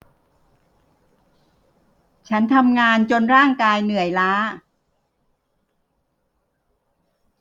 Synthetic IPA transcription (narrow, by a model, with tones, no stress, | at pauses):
t͡ɕʰa˦˥nt̪ʰa˧mŋaː˧nt͡ɕo˧nɾaː˥˩ŋkaː˧jnɯ˨˩˦əjlaː˦˥